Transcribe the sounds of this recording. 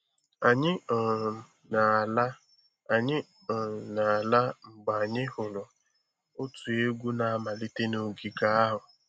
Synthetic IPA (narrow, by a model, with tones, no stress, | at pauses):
a˨ɲɪ˦˨ | na˨l | a˨ɲɪ˦ | ɔ˨na˨la˦ŋ͡m̩˨ɡ͡ba˨a˨ɲɪ˦hʊ˨lʊ˨ | ʊ˦tu˨e˦ɡʷu˦na˨a˦ma˨li˦te˦no˨ɡi˨ɡa˦a˦ɦʊ˨